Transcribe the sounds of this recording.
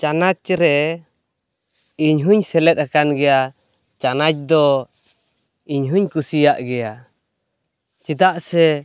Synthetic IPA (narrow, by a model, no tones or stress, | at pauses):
t͡ʃanat͡ʃɾɛ | iɲɦuɲsɛlɛt̪̚akanɡɛja | t͡ʃanat͡ʃ̚d̪ɔ | iɲɦuɲkusijaʔɡɛja | t͡ʃit̪aʔsɛ